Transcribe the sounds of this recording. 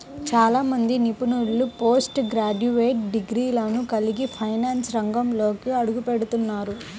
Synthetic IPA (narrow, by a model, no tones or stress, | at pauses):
t͡ʃaːlaːmɐnd̪inipunuɽlupoːsʈɡɾaːɖuʋeːʈ̚ɖiɡɾiːlɐnukɐliɡipʰɐjnaːnsɾɐŋɡɐmlo̞ːkiɐɽuɡupeɽut̪unːaːɾu